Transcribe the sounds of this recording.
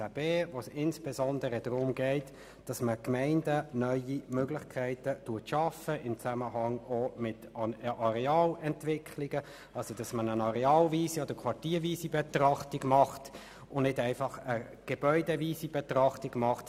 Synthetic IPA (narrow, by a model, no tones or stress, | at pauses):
b̥eːvosɪnsb̥ezɔndəɾədɾʊmɡɛɪt | d̥ɑsməkmɛɪndənœʏimøɡlɪχkʰæɪtətuɐtʃɑfəʔɪmt͡sæməɦɑŋomɪtəʔɑɾɛɑːlɛntʋɪkʰliɡə | ɑlsod̥ɑsmənənɑɾɛɑːlviːsiɔd̪əkʰʋɑɹtiːɾviːsibɛt̪rɑχtiɡmɑχt | ʊnɪdæɪfɑχə | ɡ̥eb̥œʏdɛviːsib̥ɛtɾɑχtiɡmɑχt